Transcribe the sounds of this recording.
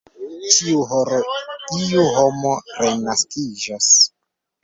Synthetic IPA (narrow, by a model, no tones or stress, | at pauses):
tʰiuɦoɾoiuɦo̞mo̞ɾe̞naskid͡ʒas